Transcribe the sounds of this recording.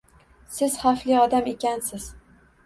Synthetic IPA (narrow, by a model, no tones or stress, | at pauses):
sɪz̥χaflɪɒd̪amekʲansɪz̥